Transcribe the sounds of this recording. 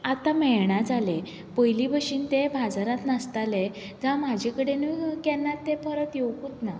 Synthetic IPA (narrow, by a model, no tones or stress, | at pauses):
at̪amɛjɳ̃ad͡zale | pəjlibəɕiːnt̪ebʱad͡zaɾat̪nast̪ale | d͡zamad͡ʑʱekəɽenukɛnːat̪ːepʰəɾət̪jewkut̪na